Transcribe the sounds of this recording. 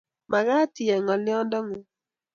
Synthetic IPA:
ma˨ɡa˦tɪ˨ɛ˨ŋɔ˨lɪ˦ɔ˦ndɔ˦ŋu˨˦

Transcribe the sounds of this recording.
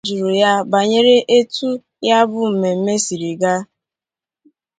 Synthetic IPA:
d͡ʒu˨ɾu˨ja˦ba˨ɲe˦ɾe˦ʔe˦tu˦ | ja˦bʊ˦m̩˨me˨m̩˦me˦si˨ɾi˨ɡa˦

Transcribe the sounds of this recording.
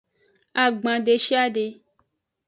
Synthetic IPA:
a˨ɡ͡bã˨ɖe˨ʃi˦a˦ɖe˧

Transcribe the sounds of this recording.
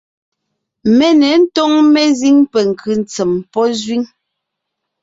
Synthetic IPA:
mɛ˦nɛ˨˦n̩˦tɔ˦ŋmɛ˦zi˦ŋpɛ˨ŋ̩˨kʉ˨n̩˨t͡sɛ˨mpɔ˦zɥi˦ŋ

